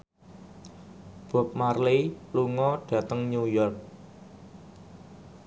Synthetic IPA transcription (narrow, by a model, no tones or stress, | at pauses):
b̥ɔ̤p̚marleluŋɔɖ̥ä̤t̪əŋɲujɔrk̚